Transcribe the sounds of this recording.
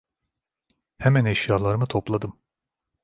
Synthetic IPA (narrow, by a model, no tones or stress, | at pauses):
hɛmænɛʃjaːlˠaɾɯmɯt̪ʰo̞plˠad̪ɯm